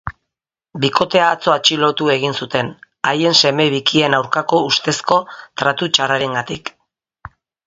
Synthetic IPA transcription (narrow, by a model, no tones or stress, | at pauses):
biko̞t̪e̞aːt͡so̞at͡ʃilo̞t̪ue̞ɣ̞insut̪e̞n | aje̞nse̞me̞βikie̞nawɾkako̞ust̪e̞sko̞t̪ɾat̪ut͡ʃaraɾeŋɡat̪ik